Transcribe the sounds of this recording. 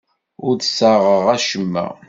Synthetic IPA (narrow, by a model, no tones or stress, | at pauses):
ʊɾd̪saʁəʁæʃəmːæ̰